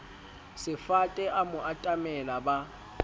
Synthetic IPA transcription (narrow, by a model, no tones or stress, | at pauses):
sɪfatʼɛʔamʊʔatʼamɛlaba